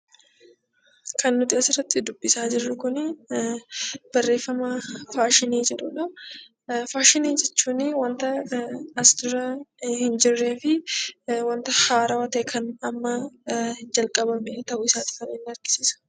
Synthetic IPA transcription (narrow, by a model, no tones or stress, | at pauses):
kʰɐnːʊt̪ɪɐsɪrːɐt̪ːɪd̪ʊbːɪsaːd͡ʒɪrːʊkʊnɪ | b̥ɐrːe̞ːfːɐmafaːʃɪniːd͡ʒɛᶑʊᶑɐ | faːʃɪniːd͡ʒɛt͡ʃːuːnɪwɐnt̪ɐɐsd̪ʊɾɐhɪnd͡ʒɪrːeːfɪ | wɐnt̪ɐhaːɾɐwɐt̪ɛkʰɐnɐmːɐhd͡ʒɐlkʼɐbɐmet̪ɐʔʊɪsaːt̪ɪ̥fɐnɛnːɪɐɾɡɪ̥siːsʊ̥